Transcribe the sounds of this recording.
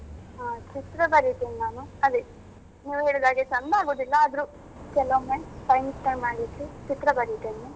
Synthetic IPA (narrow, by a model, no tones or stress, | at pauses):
ɦaːt͡ʃit̪ɾɐbɐɾit̪eninaːnuɐd̪e | niːʋuɦeːɭid̪aːɡesɐnːɐaːɡoːd̪ilːɐːd̪ɾu | kɛlomenpɐjnsʈɐjmaːɽikːit͡ʃit̪ɾɐbɐɾit̪eːni